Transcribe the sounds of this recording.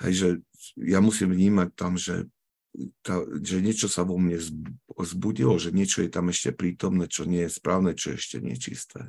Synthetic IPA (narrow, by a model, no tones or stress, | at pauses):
hɛ̰jʒɛ | jamusimvɲiːmac̚t̪amʒɛ̰ | t̪aʒɛɲɪɛt͡ʃɔsaʋɔmɲɛzzbuɟilɔʒɛɲɪɛt͡ʃɔjɛt̪amɛʃcɛpɾiːt̪ɔmnɛt͡ʃɔɲɪɛjɛspɾaːʊnɛt͡ʃɔjɛɛʃcɛ̰ɲɪɛ̰t͡ʃḭst̪ʰɛ̰